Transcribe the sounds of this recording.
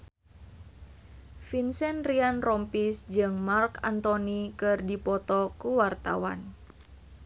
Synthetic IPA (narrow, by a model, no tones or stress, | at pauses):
finsɛnrianrɔmpisd͡ʒɨŋmarka̰nt̪ɔnikɨrdipɔt̪ɔkuwart̪a̰wa̰n